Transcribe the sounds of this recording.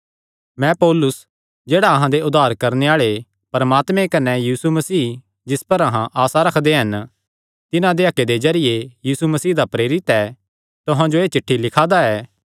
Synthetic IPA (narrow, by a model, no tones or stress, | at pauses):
mɛ̃poːlʊs | d͡ʒeːɽaɐɦãd̪eʊd̪aːɾkɐɾneaːɭe | pɐɾɐmaːt̪mẽkɐnɛjiːsumɐsiː | d͡ʒɪspɐɾɐɦãʔaːsaɾɐkʰd̪eɦɐn | t̪ɪnãd̪eɐkːed̪ezɐɾɪjejiːsumɐsiːd̪apɾeːɾɪt̪ɛː | t̪ʊɦãd͡ʒoeːt͡ʃɪʈʰːilɪkʰaːd̪aɛː